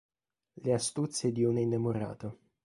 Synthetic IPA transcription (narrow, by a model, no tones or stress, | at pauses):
least̪ut̪sed̪iuninːemoɾa̰ːt̪o